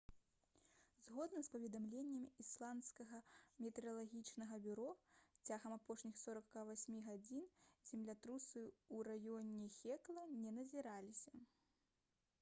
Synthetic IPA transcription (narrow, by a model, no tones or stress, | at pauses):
zɣɔd̪nɐspɐvʲɛd̪amlʲenʲːɛmʲislˠant̪skɐɣɐmʲɛt̪ɛɾɐlˠaɣʲit͡ʂnɐɣɐbʲuɾɔt͡sʲaɣɐmapɔʂnʲixsɔɾɐkːavasʲmʲiɣad͡zʲinzʲɛmlʲat̪ɾusɨurajɔnʲɛxʲɛklˠɐnʲɛnɐzʲiɾalʲisʲɐ